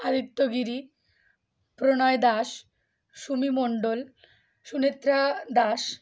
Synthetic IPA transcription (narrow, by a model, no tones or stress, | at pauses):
ad̪ʱikt̪ːoɡiɾi | pɾonɔed̪aʃ | ʃumimoɳɖol | ʃunet̪ːɾad̪aʃ